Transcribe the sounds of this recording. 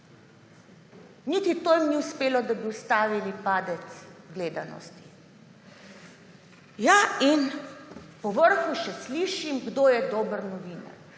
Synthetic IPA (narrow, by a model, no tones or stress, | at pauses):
nit̪it̪oːjimniuspeːlɔd̪abiust̪aːʋilipaːd̪ɛt̪sɡleːd̪anɔ̰st̪i̥ | jain | pɔʋəɾxuʃɛsliːʃimɡd̪oːjɛd̪oːbəɾnɔʋiːna̰ɾ